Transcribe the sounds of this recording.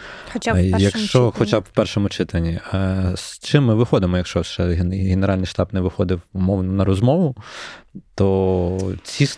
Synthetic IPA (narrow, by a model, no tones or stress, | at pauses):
t͡ʃjɐkʃt͡ʃɔxɔt͡ʃabwpɛrʃɔmʊt͡ʃɪt̪ɐnʲːist͡ʃɪmːɪʋɪxɔd̪ɪmɔjɐkʃt͡ʃɔʃt͡ʃɛɦeneɾɑlʲnɪjʃt̪ɑbnɛʋɪxɔd̪ɪwumɔwnɔnɐɾɔzmɔʋʊ | t̪ɔ | t͡sʲis